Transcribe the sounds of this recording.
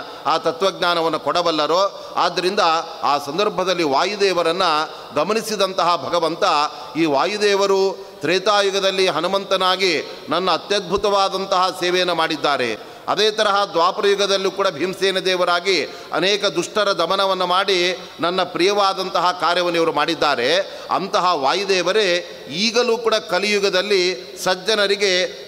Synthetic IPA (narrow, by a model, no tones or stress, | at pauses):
aːt̪ɐt̪ʋɐɡɲaːnɐʋɐnːukɔɽɐbɐlːɐɾoː | a̰ːd̪ːɐɾind̪ɐ | aːsɐnd̪ɐɾbʱɐd̪ɐlːiʋaːjud̪ɛːʋɐɾɐnːɐ | ɡɐmɐnisid̪ɐnt̪ɐɦɐbʱɐɡɐʋɐnt̪ɐ | iːʋaːjud̪ɛːʋɐɾu | t̪ɾeːt̪aːjuɡɐd̪ɐlːiɦɐnumɐnt̪ɐnaːɡi | nɐnːɐːt̪jɐd̪̚bʱut̪ɐʋaːd̪ɐnt̪ɐɦɐsɛːʋɛjɐnːumaːɽid̪ːaːɾḛ | ɐ̰d̪ɛːt̪ɐɾɐɦɐd̪ʋaːpɾɐjuɡɐd̪ɐlːikuːɽɐbʱimsɛːnɐd̪ɛːʋɐɾaːɡi | ɐ̰nɛːkɐd̪uʂʈɐɾɐd̪ɐmɐnɐʋɐnːumaːɽi | nɐnːɐpɾijɐʋaːd̪ɐnt̪ɐɦɐkaːɾjɐʋɐnɛjɐɐɾumaːɽid̪ːaːɾe̞ | ɐ̰nt̪ɐɦɐʋaːjud̪ɛːʋɐɾe | iːɡɐluːkuːɽɐkɐlijuɡɐd̪ɐlːi | sɐd͡ʒɐnɐɾiɡe̞